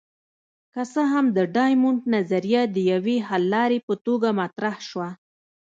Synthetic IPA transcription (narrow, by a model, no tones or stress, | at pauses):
kasəɦamd̪əɖɑjmʊɳʈnazaɾijad̪əjaweɦalːɑɾepət̪oɡamat̪ɾahʃwa